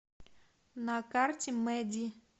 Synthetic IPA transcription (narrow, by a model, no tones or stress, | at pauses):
nakartʲɪmɛd̪ʲi